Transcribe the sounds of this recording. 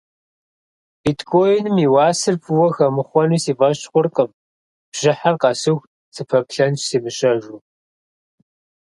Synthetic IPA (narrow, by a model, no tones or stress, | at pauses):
bitkʰoːjɪnmiːwɑːsɨrpʰuwɔxɐmɨχʷɔnusiːvɐʃχʷʊrqʼəm | b̥ʒ̥ɪħarqɐsɨx | t͡sʰɨpʰɐpɬɐnt͡ʃsiːmɨɕɐʒuː